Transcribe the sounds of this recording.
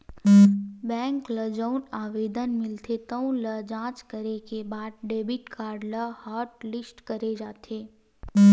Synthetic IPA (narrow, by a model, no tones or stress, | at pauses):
bɛ̃ːŋkləd͡ʒəʊnaːʋeːd̪ənmɪlt̪ʰet̪əũləd͡ʒãːt͡ʃkəɾekebaːd̪̚ɖeːbɪʈkaːɾɖləhaːɾʈlɪsʈkɐɾed͡ʒaːt̪ʰeː